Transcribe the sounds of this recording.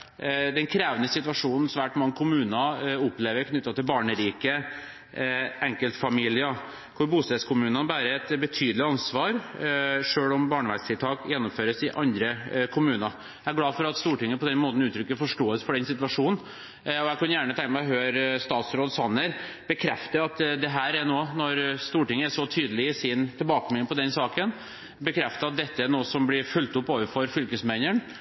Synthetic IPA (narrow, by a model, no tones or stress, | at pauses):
d̪ɛnkʰɾeːʋənəsɪt̪ʉʋɑʂuːnn̩sʋæːʈmɑŋːəkʰʊmʉːnɑʊpleːʋəɾkʰnʏt̪ːɑt̪ʰɪlbɑːɳəɾiːkə | ɛŋkəlt̪fɑmiːlɪə | kʰʊɾbuːst̪ɛːd̪skʰʊmʉːnənbæːɾəɛt̪bət̪ʰyːd̪lɪɑnsʋɑːɾ | ʂøːɽɔmbɑːɳəʋæst̪ʰɪlt̪ʰɑːkjɛnːʊmføːɾəsɪʔɑnd̪ɾəkʰʊmʉːnɑ | jææɾɡlɑːfɔɾɑt̪st̪uːʈɪŋːəpʰɔd̪ɛnmoːt̪n̩ʉːt̪ʰɾʏkːəfɔʂʈoːəsfɔɖɛnsɪt̪ʉʋɑʂuːnn̩ | ɔjæɪkɑnjæːɳət̪ʰɛŋk̪mɛɦøːɾst̪ɑːt̪sɾoːd̪sɑnːəɾ | b̥əkʰɾɛft̪əɑt̪d̪ɛɦæːɾɛnoːnɔɾst̪uːʈɪŋːəæʂɔt̪ʰyːd̪əlɪɪsɪnt̪ʰɪlbɑːkəmɪnːpɔd̪ɛnsɑːkən | bəkʰɾɛft̪əɑt̪̚d̪ɛt̪ːəænoːsɔmblɪɾfʉlt̪ʊpːoːʋəɾfɔɾfʏlkəsmæɪnəɳ